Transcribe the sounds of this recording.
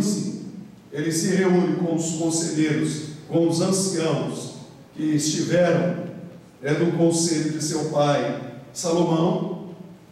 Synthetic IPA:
sḭ̃ | elɪsɪɦeũnɪkõw̃ʊskõseʎeɾʊskõw̃ʊzɐ̃siɐ̃w̃ʊs | kɪɪst͡ʃivɛɾɐ̃w̃ | ɛd̪ʊkõseʎʊd͡ʒɪsewpajsalomɐ̃w̃

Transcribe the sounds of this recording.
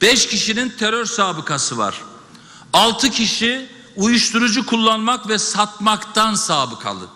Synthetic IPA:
b̥ɛʃcʰiʃinint̪ʰeɾøɾsaːbɯkʰasɯva̰ɾ̥ | alˠt̪ʰɯcʰiʃi | ujuʃt̪ʰuɾud͡ʒukʰulˠːanmakvɛsat̪̚makt̪ʰansaːbɯkʰa̰lˠɯ̰

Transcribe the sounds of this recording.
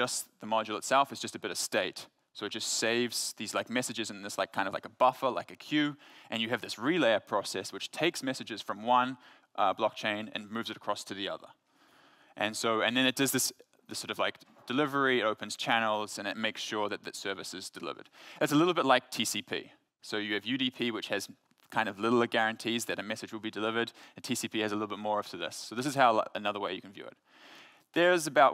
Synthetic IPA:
ʌsðəmɑd͡ʒl̩ˠətsɛlˠfɨtz̥d͡ʒ̥ʌstɨbɪɾʌv̥steɪt | soʊɨt̚d̥ʒ̥ʌstseɪvz̥ðizlaɪk̚mɛsɨd͡ʒɨzɨ̃n̩ðɨslaɪkʰãɪ̃ndvlaɪkəbʌfə˞la̰ɪkɨkʰj̥ʉʔɨ̃njɨːvðɪsɹileɪə˞pʰɹ̥ɑsɛswɨt͡ʃtʰeɪksmɛsɨd͡ʒɨz̥fɹʌ̃mwʌ̃n | ʔʌblɔk̚t͡ʃʰẽɪ̃nɨ̰̃nmʉvzɨɾəkʰɹ̥ɔstʰɨðiʌ̰ðə̰˞ | ʔɨ̃nsoʊɨ̃nðɨ̃ñɨt̚d̥ʌzðɪs | ðɨsɔɹɾʌv̥laɪk | d̥ɨlɪvə˞iɨɾoʊpɨ̃n̩z̥t͡ʃʰænl̩ˠz̥ɨ̃nɨt̚meɪksʃʊɹðɨt̪̚ðɨtsɜ˞vɨsɨzdɨlɪ̰və̰˞d̥ɨtsəlɪɾl̩ˠbɪtˡlaɪk̚tʰisipʰḭ | soʊjɨːvjʉɾipʰiwɨt͡ʃhɨz̥ | kʰãɪ̃ndʌvlɪɾl̩ˠɡæɹɨ̃ntʰizðɨɾɨmɛsɨd͡ʒwəlˠbidɨlɪvə˞ɾɨ̃n̩tʰisipʰiɨzəlɪɾl̩ˠbɪt̚mɔɹʌftʰɨðɪ̰soʊðɪs̬ɨz̥haʊɨnʌðə˞weɪjɨkʰn̩vjʉ̰ɨ̰t̪̚ | ðə˞ɨzɨbaʊʔ̚

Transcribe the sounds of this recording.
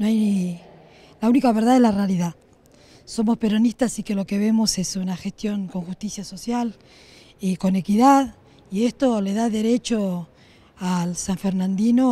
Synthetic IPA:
noaj | launikaβeɾð̞aðelarealiðað | so̞mo̞spe̞ɾo̞nist̪assike̞lo̞keβe̞mo̞se̞sunaxe̞st̪jo̞ŋko̞ŋxust̪isjaso̞sjal | eko̞ne̞kiðað | ie̞st̪o̞le̞ðaðe̞ɾe̞t͡ʃo | alsaɱfe̞ɾnãnd̪ino

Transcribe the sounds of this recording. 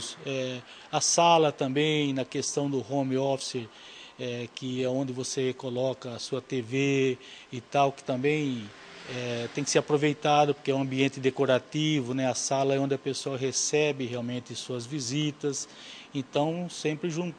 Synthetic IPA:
sʊɛ | ɐsalɐt̪ɐ̃mbẽj̃nɐkest̪ɐ̃w̃d̪ʊhõmɪɔfseɾ | ɛkɪɛõnd̪ɪvosekolɔkɐːsuɐt̪eveɪt̪awkɪ̥t̪ɐ̃mbẽj̃ | ɛt̪ẽj̃kɪ̥seɾapɾovejt̪ad̪ɐpoɾkeɛũɐ̃mbiẽnt̪ɪd̪ekoɾat̪ivʊnɛɐsalɐɛõnd̪ɪɐpesoɐɦesɛbɪheawmẽnt̪ɪsuɐzvizit̪ɐs | ẽnt̪ɐ̃w̃sẽmpɾɪʒũ

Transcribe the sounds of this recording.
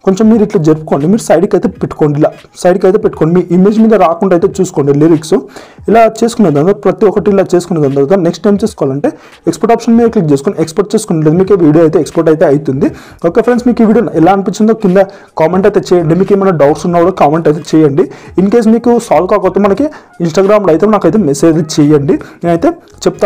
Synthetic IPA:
ko̞ɲt͡ʃemːiːɾiʈlɐd͡ʒeɾpu̥koːɳɖimiːɾusɐjɖikɐjt̪eːpeʈːu̥koːɳɖilaː | sɐjɖikɐjt̪eːpeʈːu̥koːɳɖimiːʔimeːd͡ʒmiːd̪ɐɾaːkuɳʈːɐjt̪eːt͡ʃuːsu̥koːɳɖiliɾiksu | ilaːt͡ʃe̞ːsu̥kuned̪ɐnd̪pɾɐt̪iɔkɐʈiːlaːt͡ʃe̞ːsu̥kuneːd̪ɐnd̪ɐt̪aneksʈːɐjmt͡ʃeːsu̥kɔːʋalɐɳʈe̞ː | ekspoɾʈaːpʂɐnmiːd̪ɐklik̚t͡ʃe̞ːsu̥koːniekspɐɾʈ̚t͡ʃe̞ːsu̥kunɳleːd̪umiːkeːʋiːɽioːɐjt̪̬e̞ːkspoɾʈ̬ɐjt̪e̞ːɐjut̪und̪i | oːkeːpʰɾensmiːkiʋiːɽijonɛlaːɐnipiɲt͡ʃind̪okind̪ɐ | kaːmeɳʈɐjt̪eːt͡ʃɛːjɐɳɖimiːkeːmɐjnɐɖɐwʈsunːɐːʋɽokaːmeɳʈɐjt̪̬et͡ʃɛːjɐɳɖiinke̞ːs̬miːkusaːlkaːkɐt̪umːɐnɐki | insʈaːɡɾaːmlɐjt̪enaːkɐjt̪eːmeseːd͡ʒt͡ʃɛjɐɳɖineːnɐjt̪e̞ː | t͡ʃep̚t̪a

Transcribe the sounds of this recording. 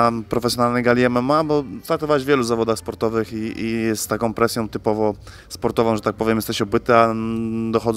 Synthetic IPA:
pɾɔfɛsʲjɔnalnɛɡalʲiɛmɛmabɔt̪ɾak̚t̪ɔvawɛʑvjɛluzavɔd̪axspɔɾt̪ɔvɘxiijɛst̪ːakɔ̃w̃pɾɛsʲjɔ̃w̃t̪ɘpɔvɔ | spɔɾt̪ɔvɔ̃w̃ʐɛt̪ak̚pɔvjɛmjɛst̪ɛɕɔbɘt̪ɘad̪ɔxɔd̪z

